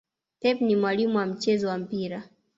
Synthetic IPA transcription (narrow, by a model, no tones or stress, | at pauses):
tɛpnimwalimuwam̩t͡ʃɛzɔwam̩piɾa